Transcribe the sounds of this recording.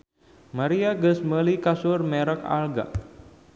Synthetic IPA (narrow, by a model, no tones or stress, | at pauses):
maɾiaɡəsməlikasʊrmɛɾəka̰lɡa̰